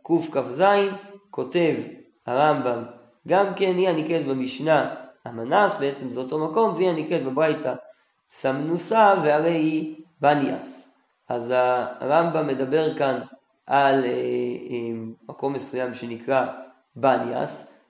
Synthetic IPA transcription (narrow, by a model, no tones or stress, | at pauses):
kufkafzainko̞te̞v | haʁambam | ɡamke̞nianiket̪bemiʃnaamanasbe̞et͡se̞mzeoto̞mako̞mveianiket̪̚bebʁajta | samnusaveaʁe̞jibania̰s | ʔazaʁambamːe̞d̪abe̞ʁkan | ʔal | eːako̞mːe̞sujamʃe̞nikʁa | bania̰s